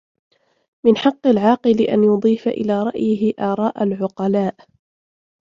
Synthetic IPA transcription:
mɪnħɑqːɑlʕɑːqɨlɪʔa̰njʊd̪ˤiːfaʔɪ̰laːɾˤɑ̰ʔjɪɪʔaːɾˤɑːʔalʕʊqɑlaːʔ

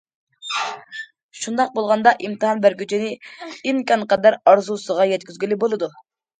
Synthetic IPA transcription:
ʃund̪ɑq̚bolˠʁɑnd̪ɑʔimt̪ʰɨɦɑnbæɾɡʲyt͡ʃʰinɪimkʲɑnqɑd̪æɾɑɾzusəʁɑjɛt̪kʲyzɡʲilɪbolˠɨd̪u

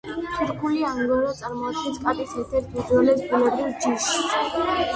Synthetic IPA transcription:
pʰiɾkʰuliaŋɡɔɾɔt̪sʼaɾmɔad̪̚ɡɛnskʼat̪ʼisɛɾt̪ʰɛɾt̪ʰmid̪ɔlɛsbulɛbɾilˠd͡ʒiʃ

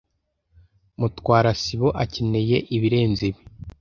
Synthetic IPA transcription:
mutwaːɾasiβo̞ʔacene̞je̞ʔiβiɾe̞ːnziβi

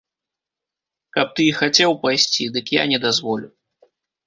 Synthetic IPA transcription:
kɐp̚t̪ɨxat͡sʲɛwpajsʲt͡sʲid̪ɨkja̰nʲɛd̪azvɔlʲu

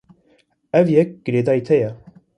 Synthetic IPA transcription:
ɛvjɛk̚ɡ̥ɨɾeːd̪ɑːit̪ʰɛjɛ

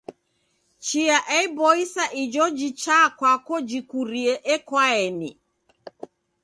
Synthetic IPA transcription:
t͡ʃiaʔɛibɔisaʔid͡ʒɔd͡ʒit͡ʃakwakɔd͡ʒikuɾiɛʔɛkwaɛni

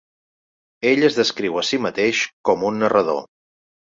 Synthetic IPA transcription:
eʎəzðəskɾiwəsimət̪eʃkɔmunːərəð̞o̰

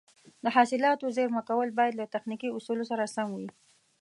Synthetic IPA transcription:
d̪əɦɑsɪlɑt̪ozeɾməkawəlbɑjad̪lat̪axnikiʊsulosaɾasaŋɡwi

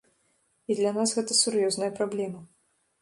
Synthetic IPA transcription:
id̪lʲanasɣɛt̪ɐsuɾjɔznɐjɐpɾablʲɛmɐ

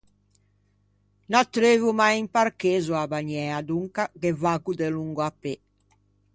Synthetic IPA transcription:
nat̪ːɾeːvumajimparkeːzuabaɲɛad̪uŋkakevaːɡud̪eluŋɡuapːe

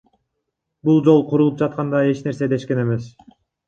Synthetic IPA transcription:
bulˠd͡ʒo̞lˠqʰuɾulˠup̚d͡ʒɑt̪̚qɑnd̪ɑe̞t͡ʃne̞ɾse̞d̪e̞ʃke̞ne̞me̞s

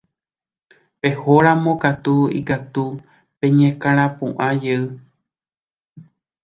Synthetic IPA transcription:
pe̞hoɾãmõkat̪uḭkat̪u | pẽ̞ɲẽkãɾ̃ãpũʔãd͡ʒeɨ

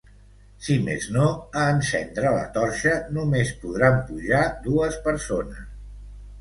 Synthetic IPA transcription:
simḛznoəːnsɛ̰nd̪ɾələ̰t̪ɔɾʃənumespuð̞ɾampuʒaðuəspəɾsonəs

